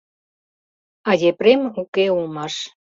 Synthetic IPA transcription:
ɑjʲepɾemukeumɑʃ

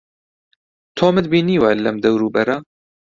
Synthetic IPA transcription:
t̪ʰoːmɨd̪biːniːwɛlːɛmd̪ɛwɾuːbɛɾɑː

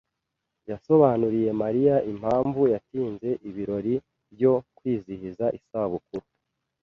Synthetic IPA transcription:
jaso̞βaːnuɾije̞maɾijaʔim̥haːɱvujatiːnze̞ʔiβiɾo̞ɾi | bjo̞kwiːzihizaʔisaβukuɾu

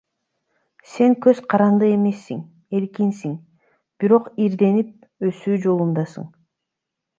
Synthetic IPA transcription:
se̞ŋkø̞zqʰɑɾɑnd̪ɯe̞me̞sːiŋ | e̞lkinsiŋ | b̥iɾo̞qiɾd̪e̞nip̚ | ø̞syːd͡ʒo̞lˠund̪ɑsɯ̰ɴ

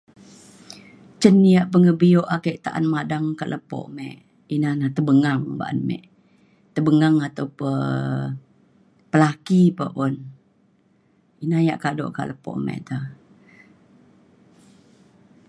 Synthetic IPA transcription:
t͡ʃənːijaʔpəŋəbijoʔakəʔt̪aʔa̰nmadaŋkaʔləpɔ̰ʔmɛ̰ʔ | inahnaht̪əbəŋaŋba̰ʔa̰nmɛ̰ʔ | t̪əbəŋaŋat̪awpə | pəlakipəpon | inajaʔkado̰ʔka̰ʔləpɔ̰ʔmɛ̰ʔt̪əh

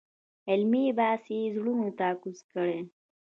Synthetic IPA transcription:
ɪlmibaːsizɽunut̪aːkuzkəɽe

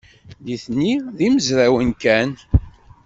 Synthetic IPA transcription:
ðiθnːiðiməzɾæwənkæn

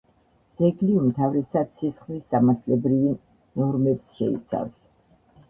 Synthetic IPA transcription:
d̪z̥ɛɡliumt̪ʰavɾɛsad̪sʰisχlisːamaɾt̪ʰlɛbɾivi | nɔɾmɛpsʃɛḭt̪sʰa̰fs

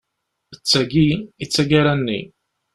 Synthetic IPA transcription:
ət͡sːæɡiit͡sːæɡaɾænːḭ

